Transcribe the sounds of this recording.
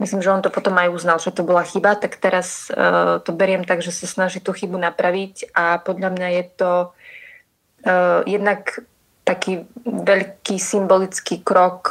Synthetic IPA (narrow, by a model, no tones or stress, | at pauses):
mislimʒɛɔnt̪ɔpɔt̪ɔmajuznalʒɛt̪ɔbɔlaxibat̪akt̪ɛɾast̪ɔbɛɾɪɛmt̪aɡʒɛsasnaʒiːt̪uːxibunapɾaʋicapɔd̪ʎamɲajɛt̪ɔ | jɛd̪nak | t̪akiːʋɛʎkiːsimbɔlit͡skiːkɾɔk